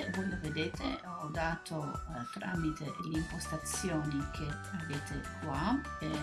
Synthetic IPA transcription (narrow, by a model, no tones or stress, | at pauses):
vojloved̪eːt̪eɔd̪aːt̪ʰot̪ɾa̰ːmit̪eleimpost̪at̪sjoːnikʰe | aveːt̪ekwa | e